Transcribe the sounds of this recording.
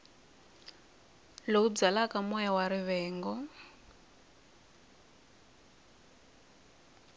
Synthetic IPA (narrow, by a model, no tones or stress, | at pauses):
loub͡ʐalakamɔjawaɾiβɛːŋɡɔ